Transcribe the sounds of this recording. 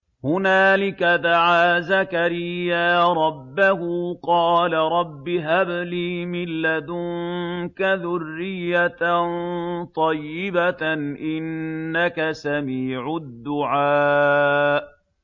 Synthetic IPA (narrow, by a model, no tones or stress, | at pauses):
hʊnaːlɪkad̪aʕaːzakaɾɪjːaːɾˤɑbːahuqɑːlaɾˤɑbːɪɦabliːmɪlːad̪ʊŋkaðʊrːɪjːant̪ˤɑjːɪbaʔɪnːakasamiːʕʊd̪ːʊʕaː | ʔ